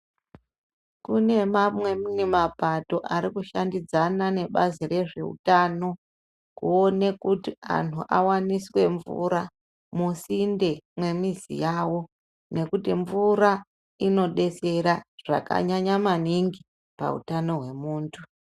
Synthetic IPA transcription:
kune̞mamwe̞minimapato̞ʔaɾikuʃandid͡zanane̞ɓazire̞ʐe̞ṵtano̞ | kuo̞ne̞kutia̰ntʰuʔawaniswe̞ɱvṵɾa | musinde̞mwe̞mizḭjawo̞ | ne̞kutiɱvuɾa | ino̞ɗe̞se̞ɾaʐ̥a̰ka̰ɲaɲamaniŋɡi | pa̰ṵtano̞ɦwe̞muːntʰu

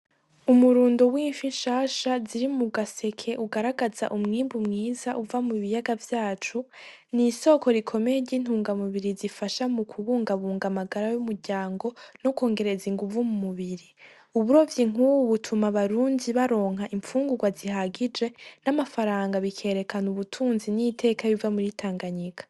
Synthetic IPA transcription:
umuɾuːndowiːɱfiʃaːʃaziɾimuɡase̞kʰe̞ʔuɡaɾaɡaza̰ʔumŋiːmbumŋiːzaʔuvamuβijaɡavjaːt͡ʃu | niso̞ko̞ɾikʰo̞me̞jeɾɟiːn̥huːŋɡamuβiɾizifaʃamukʰuβuːŋɡaβuːŋɡamaɡaɾajumuɾɟaːŋɡo̞noko̞ːŋɡe̞ɾe̞ziŋɡuvumumuβiɾi | uβuɾo̞vjiŋ̥uβutʰumaβaɾuːndiβaɾo̞ːŋɦaʔiɱfuːŋɡuɡwaziɦaɡid͡ʒe̞namafaɾaːŋɡaβikʰe̞ːɾe̞kʰanuβutʰuːnzinitʰe̞ːkaβivamuɾitʰaːŋɡaɲikḁ

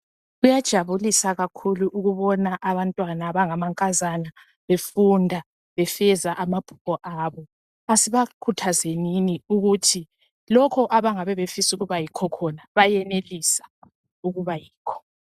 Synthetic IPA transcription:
ɣujad̥ʒ̥ʱaβulisaɣakʰuluʔuɣuβɔnaʔaβantʼwanaβaŋamaŋkʼazana | βefundʱa | βɛfɛzaʔamab̥ʱu̥pʰɔʔaβɔ | asiβakʰutʰazeniniuɣutʰi | lɔkʰɔʔaβaŋaβɛβefisuɣuβajikʰɔkʰɔnaβajɛnelisḁ | uɣuβajiːkʰɔ̥

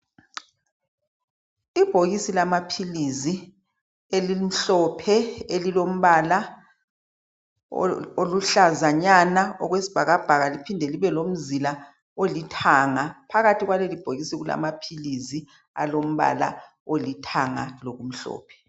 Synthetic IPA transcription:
ib̥ʱoɣisilamapʰilizi | elim̩ɬɔpʰɛelilom̩βala | oluɬazaɲanaɔɣwesi̥b̥ʱaɣab̥ʱaɣalipʰindʱeliβɛlom̩zila | olitʰaŋapʰaɣatʰiɣwalelib̥ʱoɣisiɣula̰mapʰilizi | a̰lom̩βa̰la̰ | olitʰaŋa̰loɣum̩ɬɔ̰ːpʰɛ̥

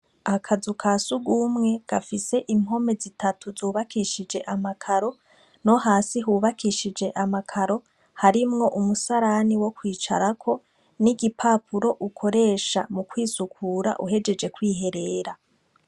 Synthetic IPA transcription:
akʰazukʰasuɡumŋe̞ɡ̥afise̞ʔimm̥o̞me̞zitʰatʰuzuːβakiʃid͡ʒe̞ʔamakʰaɾo̞ | no̞haːsiɦuːβakiʃid͡ʒe̞ʔamakʰaɾo̞ | haɾimŋo̞ʔumusaɾaniwo̞kwiːt͡ʃa̰ɾakʰo̞ | niɡipʰaːpʰuɾo̞ʔukʰo̞ɾe̞ːʃamukwiːsukʰuːɾa̰ʔuɦe̞d͡ʒe̞d͡ʒe̞kwiːɦe̞ɾe̞ːɾa

